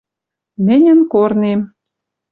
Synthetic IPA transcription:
mɘ̆nʲə̆nkornem

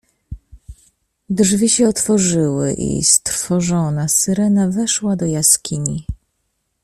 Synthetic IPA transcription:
d̪ʐvʲiɕɛɔt̪fɔʐɘwɘ̰ʔḭst̪ɾfɔʐɔnasɘɾɛnavɛʂwad̪ɔjaskʲʰiɲi

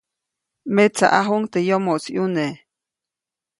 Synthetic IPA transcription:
met͡sa̰ʔaɦuŋt̪ejomoʔt͡sjune

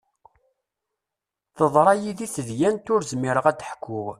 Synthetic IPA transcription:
θəðˤɾˤɑjiðiθəðjænt̪ʊɾzmiɾəʁæd̪əħkʰːʊʁ

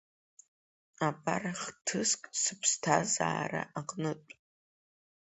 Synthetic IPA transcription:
apʼaraχtʰɨskʼsɨpʰstʰaza̰ːraʔaqʼnɨtʷʼ

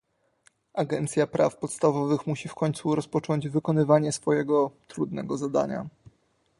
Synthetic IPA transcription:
ʔaɡɛnt̪sʲjapɾʔafpɔt̪st̪avɔvɘxmuɕifkɔɲt̪suɾɔspɔt͡ʂɔɲd͡ʑvɘkɔnɘvaɲɛsfɔjɛɡɔt̪ɾud̪nɛ̰ɡɔzad̪a̰ɲa̰

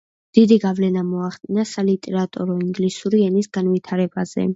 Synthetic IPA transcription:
d̪̥id̪iɡavlɛnamɔaχd̪ʼinasalit̪ʼɛɾat̪ʼɔɾɔiŋɡlisuɾiɛnisɡ̥anvit̪ʰaɾɛbaz̥ɛ̰

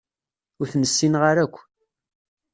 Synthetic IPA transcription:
ʊɾθməsːinʁaɾækʷː

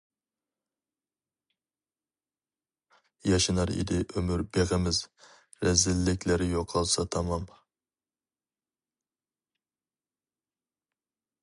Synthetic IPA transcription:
jɑʃɨnɑɾɪ̰d̪ɪʔømyɾbeʁəmɪz | ɾɛzɪlːɪkʲlɪɾjoqʰɑlˠsɑt̪ʰɑmɑm

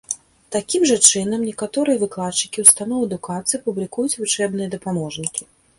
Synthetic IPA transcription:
t̪akʲimʐɐt͡ʂɨnɐmnʲɛkat̪ɔɾɨjɐvɨklˠat̪t͡ʂɨ̥kʲiwst̪anɔwɛd̪ukat̪sɨjɐpublʲikujut͡sʲvut͡ʂɛbnɨjɐd̪ɐpamɔʐnʲikʲi

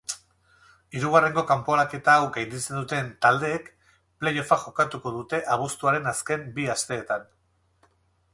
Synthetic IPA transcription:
iɾuɣ̞are̞ŋɡo̞kampo̞lake̞t̪aːwɡajnd̪it͡se̞nd̪ut̪e̞nt̪ald̪e̞ːk | ple̞jofaʝo̞kat̪uko̞ð̞ut̪e̞ʔaβ̞ust̪uaɾe̞naske̞mbiast̪e̞ːt̪an

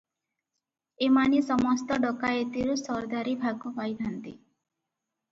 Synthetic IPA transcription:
emanisɔmɔst̪ɔɖɔkaet̪iɾusɔɾd̪aɾibʱaɡupajb̪ʱant̪ḭ

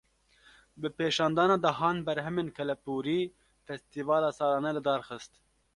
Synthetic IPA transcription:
bɨpeːʃɑːnd̪ɑːnɑːd̪ɐɦɑːnbɛɾɦɛmeːnkʰɛlɛpuːɾiː | fɛst̪iːvɑːlɑːsɑːlɑːnɛlɨd̪ɑːɾxɨst̪

